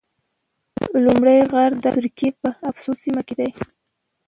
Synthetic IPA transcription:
lumɽəjɣaɾd̪ət̪ʊɾkiepəafsusimaked̪aj

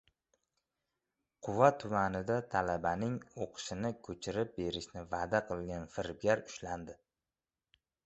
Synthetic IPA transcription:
qʰʊvat̪ʰʊmanɪd̪at̪ʰalabanɪŋoqʰɨ̥ʃɪnɪkʲʰɵt͡ʃʰɪɾɪp̚be̞ɾɪʃnɪvad̪aqʰɨlˠɡʲanfɪɾb̚ɡʲaɾʊʃland̪ɪ

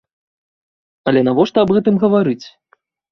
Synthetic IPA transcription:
ɐlʲɛnavɔʂt̪ɐɐbɣɛt̪ɨmɣɐvaɾɨt͡sʲ

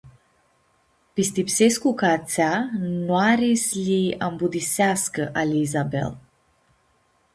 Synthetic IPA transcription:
pist̪ipseskukat̪sanwaɾisliambud̪iseaskəʔaliːzabḛl

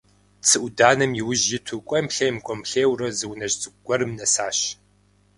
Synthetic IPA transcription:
t͡sʰɨʔʷʊdaːnɐmjɪwʊʑjɪtʰukʷʼɔmɬɐjmkʷʼɔmɬeːwrɐzɨwnɐʑt͡sʼɨɡʷɔɾɨmnɐsaːɕ

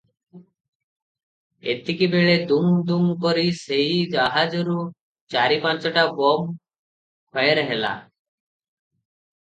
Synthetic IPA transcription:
et̪ikibeɭed̪umd̪umkɔɾiseɦid͡ʒaɦad͡ʒɔɾu | t͡ʃaɾipãnt͡ʃɔʈabɔm | kʰɔjeɾɦela̰

